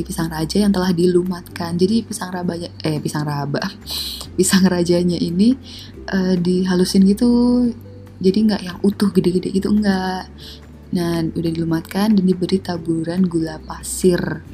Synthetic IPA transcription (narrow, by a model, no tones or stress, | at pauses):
ipisaŋrad͡ʒajaŋt̪əlahdilumat̪̚kand͡ʒadipisaŋrabaɲaɛpisaŋraba | pisaŋrad͡ʒaɲaʔini | ʔədiɦalusɪnɡit̪u | d͡ʒadiŋɡaʔjaŋut̪ʊhɡədeʔɡədɛ̰ʔɡit̪uŋɡaʔ | naudahdilumat̪̚kandandibəɾit̪abuɾanɡulapasɪr